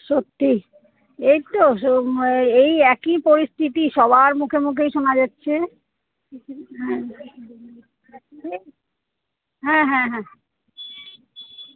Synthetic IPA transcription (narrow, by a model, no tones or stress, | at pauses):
ʃot̪ːi | ejt̪ooejɛkipoɾist̪ʰit̪iʃɔbʱaɾmukʰemukʰejʃonad͡ʑatːɕʰe | ɦɛ̃ | ɦɛ̃ɦɛ̃ɦɛ̃